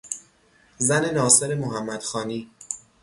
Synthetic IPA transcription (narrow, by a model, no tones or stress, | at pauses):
zæne̞nɒːse̞ɾe̞moɦæmːæd̪̥xɒːniː